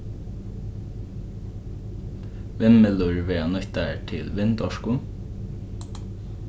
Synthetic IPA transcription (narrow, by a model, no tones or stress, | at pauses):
ʋɛmmɛlʊɹʋeːɑnœçt̪əʈʰɪlʋɪnd̪ɔʃku